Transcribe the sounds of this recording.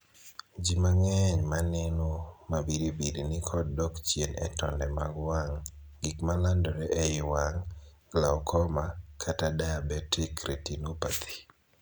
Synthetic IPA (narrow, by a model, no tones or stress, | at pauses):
d͡ʒimaŋɛɲmanenomabiɾibiɾinikʰɔddɔkt͡ʃjenɛ̰tɔndɛma̰ɡwaŋ | ɡikmalandɔɾɛʔɛɪwaŋ | ɡlaɔkʰɔmakʰatadabɛtikɾitinopat̪ʰi̥